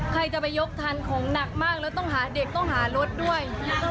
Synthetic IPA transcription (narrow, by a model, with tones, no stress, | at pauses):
kʰɾa˧jt͡ɕa˨˩pa˧jːo˦˥k̚t̪ʰa˧nkʰɔː˩˦ŋna˨˩k̚maː˥˩k̚lɛː˦˥wt̪ɔ˥˩ŋɦaː˩˦de˨˩k̚t̪ɔ˥˩ŋɦaː˩˦ɾo˦˥t̪̚du˥˩əj